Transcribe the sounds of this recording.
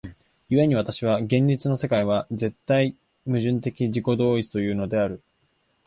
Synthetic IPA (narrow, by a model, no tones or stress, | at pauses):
jɯ̟βe̞ɲ̟iβat̪aɕiβ̞aɡẽ̞ɲʲɾit͡sɨno̞se̞kaiβad͡ze̞t̪ːai | mɯ̟ʑɨ̃nt̪e̞kʲiʑiko̞d̪o̞ːit͡sɨ̥t̪o̞jɯ̟ːno̞d̪e̞aɾɯ̟